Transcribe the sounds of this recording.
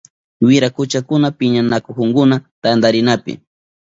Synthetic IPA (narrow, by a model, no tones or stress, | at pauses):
wɪɾakʊt͡ʃakʊnapɪɲanakokʊŋkʊnat̪and̪aɾɪnapɪ̰